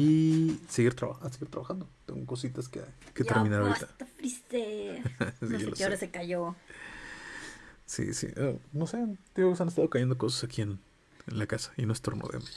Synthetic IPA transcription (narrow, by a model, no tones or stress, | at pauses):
iseɣiɾt̪ɾaβaaseɣiɾt̪ɾaβaxand̪ot̪eŋɡoko̞sit̪askeket̪eɾminaɾaoɾit̪aat̪afɾise | siɣelo̰saoɾasekaʝo | sḭsḭʔonosend̪ioɣosanest̪aðo̞kaʝend̪oko̞s̬asakie̞n | enlakasḁinwest̪ɾono̰ðḛmos